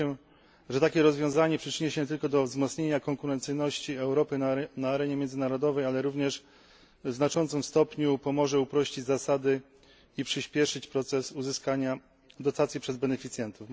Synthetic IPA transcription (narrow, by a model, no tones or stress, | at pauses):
ɛ | ʐɛt̪akʲɛɾɔzvʲjɔ̃w̃zaɲɛpʂɘt͡ʂɘɲɛɕɛt̪ɘlkɔd̪ɔvzmɔt̪sɲeɲakɔŋkuɾɛnt̪sɘjnɔɕt͡ɕiɛwɾɔpɘnaːɾɛɲɛmʲjɛnzɘnaɾɔd̪ɔvɛjalɛɾuvɲɛʂ | znat͡ʂɔnt̪sɨmst̪ɔpɲupɔmɔʐɛupɾɔɕt͡ɕid͡ʑzasad̪ɘ | ipʂɘɕpʲjɛʂɘt͡ɕpɾɔt̪sɛsuzɘskaɲa | d̪ɔt̪at̪sʲjipʂɛzbɛnɛfʲit̪sjɛnt̪uf